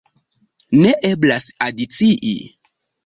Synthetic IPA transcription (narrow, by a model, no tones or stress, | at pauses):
ne̞ʔe̞blasadit͡siʔḭ